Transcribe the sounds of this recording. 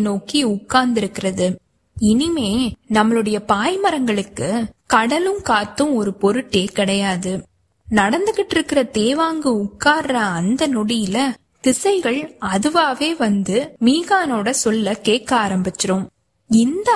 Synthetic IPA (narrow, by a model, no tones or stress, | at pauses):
noːkiʊkːaːnd̪ɪɾɯkːɪrɐðɯ | ɪnɪmeːnɐmːɐɭɯɽɐjɐpaːjmɐɾɐŋɡɐɭɯkːɯkɐɽɐlɯmkaːt̪ːɯ̃mɔɾɯpɔɾɯʈːeːkɪɽɐjaːðɯ | nɐɽɐnd̪ɯɣɪʈːɪɾɯkːɪrɐt̪eːʋaːŋɡɯʊkːaːrɐːnd̪ɐnɔɽɪjɪlɐ | t̪ɪsɐɪɣɐɭɐðɯʋaːʋeːʋɐnd̪ɯmiːɣaːnoːɽɐsɔlːɐkeːkaːɾɐmbɪt͡ʃːɪɾom | ɪnd̪ɐ